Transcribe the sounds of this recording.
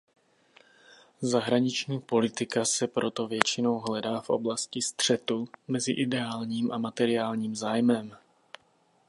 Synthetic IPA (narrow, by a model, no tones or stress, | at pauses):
zaɦɾaɲɪt͡ʃɲiːpo̞lɪt̪ɪkasɛpɾo̞t̪o̞vjɛt͡ʃɪno̞wɦlɛdaːfʔo̞̰blascɪst̪r̝̥ɛt̪umɛzɪʔɪdɛaːlɲiːmʔamat̪ɛɾɪaːlɲiːmzaːjmɛm